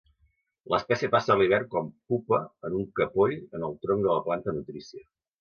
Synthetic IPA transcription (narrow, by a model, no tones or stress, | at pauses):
ləspɛsiəpasəːliβ̞ɛrkɔmpupəənuŋkəpoʎənəlˠt̪ɾoŋd̪ələplant̪ənut̪ɾisiə